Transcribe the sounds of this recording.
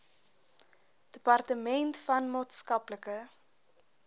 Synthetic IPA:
d̥əpɐrtəmɛntfɐnmɑːtskɐpləkə

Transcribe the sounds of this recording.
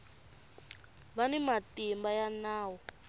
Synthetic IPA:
βanɛmatimbajanaːwɔ

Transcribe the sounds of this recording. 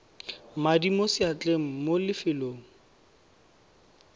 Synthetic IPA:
madimosɪat͡ɬʼeŋ̩molɪfɪloːŋ̩

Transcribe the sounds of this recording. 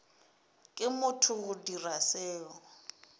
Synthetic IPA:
kʼɪmʊtʰʊɣʊdirasɛːɔ

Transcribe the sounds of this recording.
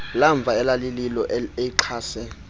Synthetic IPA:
laɱb̪vʱaɛlalililɔʔeiǁʰaːsɛ

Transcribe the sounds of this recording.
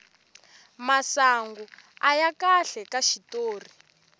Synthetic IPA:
masaŋɡuajakaɬɛkaʃitoːri

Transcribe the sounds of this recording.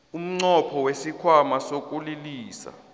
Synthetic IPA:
um̩ŋ͡ǀɔpʰɔwesikʰwamasokʼuliliːsa̰

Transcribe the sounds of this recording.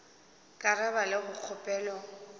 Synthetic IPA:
kʼaɾabalɪɣʊk͡xʰʊpʼɛːlɔ

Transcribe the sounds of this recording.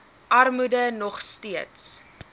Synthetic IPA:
ʔɐrmudənɔχstiəts

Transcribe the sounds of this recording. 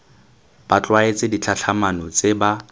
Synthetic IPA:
b̥at͡ɬʼwaet͡sʼɪdit͡ɬʰaɬʰamanɔt͡sʼeba

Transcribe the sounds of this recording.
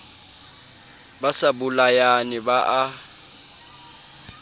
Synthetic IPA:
basabʊlajanɪbaʔa

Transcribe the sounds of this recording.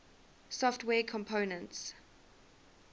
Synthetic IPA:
sɔftwɛːkʰɔ̃mpʰoʊnə̃nts

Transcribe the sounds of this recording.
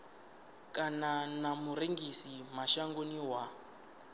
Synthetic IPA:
kʼananamuɾeŋɡisimaʃaŋɡoniwa

